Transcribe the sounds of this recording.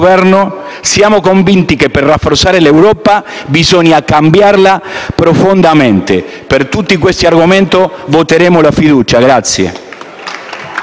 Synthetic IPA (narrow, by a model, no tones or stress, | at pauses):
vɛrno | sjaːmokoɱvint̪ikepːerrːafːort̪saːɾelewɾɔːpabizoɲjakambjarlapɾofond̪ament̪e | pert̪ut̪ːikwest̪iarɡoment̪ovot̪eɾeːmolafid̪uːt͡ʃaɡɾat̪sjḛ